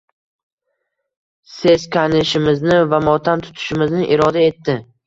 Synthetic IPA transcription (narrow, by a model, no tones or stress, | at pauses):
se̞zkʲʰanɪʃɪmɪznɪvamɒt̪ʰant̪ʰʊ̥t̪ʰɪ̥ʃɪmɪznɪʔɪɾɒd̪ae̞t̪ːɪ